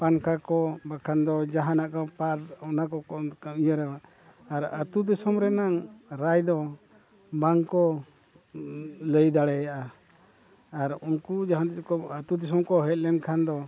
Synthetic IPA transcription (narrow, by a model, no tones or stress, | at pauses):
pankʰakɔbakʰand̪ɔd͡ʒaɦanaʔkɔpaɾɔnakɔɔkaijaɾɛwaː | ɾa̰t̪ud̪ɔsɔmɾɛnaŋɾajd̪ɔ | baŋkɔ | ləjd̪aɽɛjaʔa | ɾuŋkud͡ʒaɦand̪kɔat̪ud̪ɔs̬ɔmkɔɦɛt̪̚lɛnkʰand̪ɔ